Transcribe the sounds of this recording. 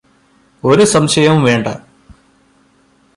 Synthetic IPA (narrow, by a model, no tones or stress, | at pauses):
oɾusɐmɕɐjɐmuʋe̞ːɳɖɐ̰